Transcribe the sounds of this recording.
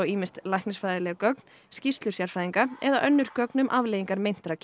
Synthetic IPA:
ɔwiːmɪst̪lajhknɪsfaːjðɪlɛɣkœkn | scist̪lʏsjaɾ̥fɾajðiŋkaɛðaʔœnːʏɾ̥kœknʏmʔavleːjiŋkaɾmejn̥t̪ɾacʰ

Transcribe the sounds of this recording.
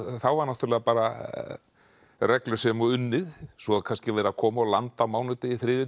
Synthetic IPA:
θawvaɾnaht̪ʏɾlɛːɣapaːɾa | rɛklʏsɛmɔʏnːɪðsɔaðkʰanscɪvɛːɾakʰɔːmaɔlant̪amaːwnɪt̪ɪiθɾɪːðɪ

